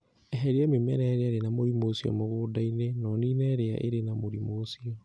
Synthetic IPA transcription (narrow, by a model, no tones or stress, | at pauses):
ɛɦɛɾeamema̰nɛɾeaɾenamoɾimosiɔ̰moɣoːdainenɔniːnɛːɾea̰ʔeɾenamoɾimoːsiɔ